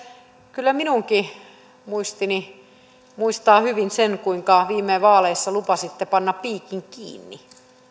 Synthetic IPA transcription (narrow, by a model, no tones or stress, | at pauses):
kylːæminuŋki | muist̪ini | muist̪ɑːhyʋinsenkuiŋkɑʋiːmːeːʋɑːleisːɑlupɑsit̪ːepɑnːɑpiːkiŋkḭːnːi